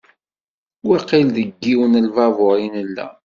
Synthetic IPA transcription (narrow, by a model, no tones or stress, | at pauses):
wæqilðəɡːiwənəlvɑvʊɾinəlːæ̰